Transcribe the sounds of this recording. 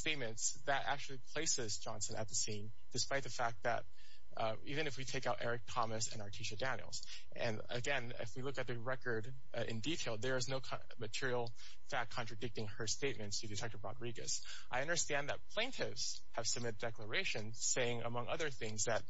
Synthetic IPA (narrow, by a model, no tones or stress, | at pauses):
steɪt̚mɨ̃nts | ðɨɾæ̰k̚t͡ʃʉl̩ˠipʰl̥eɪsɪzd͡ʒɑ̃nsɨ̃nʔɨ̰t̪̚ðɨsĩn | d̥ɨspaɪt̪̚ðɨfæk̚ðɨ̰ɾ̚ | ivɨ̃nɨfwitʰeɪkaʊɾʔɛ̰ɹɨk̚tʰɑmɨsɨ̃nɑɹtʰiʃɨdæ̃njl̩ˠz̥ | ɨ̰̃nɨ̰ɡɛ̃nɪ̰fwilʊkɨt̪̚ðɨɹɛkə˞ɾ | ɪ̰̃nditʰeɪlˠðə˞ɨznoʊkʰ | mɨtʰɪɹil̩ˠ | fækʰːɑ̃nt͡ʃɹ̥ɨdɪk̚tɪ̃ŋə˞steɪt̚mɨ̃ntstʰɨdɨtʰɛk̚tə˞ɹɑdɹiɡɨ̰s | ʔaɪʌ̃ndə˞stæ̃nðɨt̚pʰl̥ẽɪ̃ntʰɪvz̥ | hɨv̥sɨmɪt̚d̥ɛklə˞eɪʃɨ̃n | seɪɪ̃ŋə̰mʌ̃ŋʌðə˞θɪ̃ŋzðɨt̚